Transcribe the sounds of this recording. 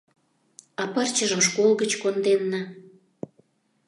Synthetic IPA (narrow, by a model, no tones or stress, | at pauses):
ɑpərt͡ɕəʒə̆mʃkolɣət͡ɕkond̪enːə